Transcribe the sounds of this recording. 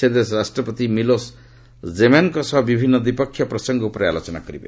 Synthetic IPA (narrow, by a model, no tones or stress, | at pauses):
ed̪esɾasʈɾɔpɔt̪imilos | d͡ʒemankosʌɦbibʱinːʌd̪ipɔkʰːjʌpɾʌsɔŋɡɔupɾa̰lot͡ʃɔna̰kɔɾibḛ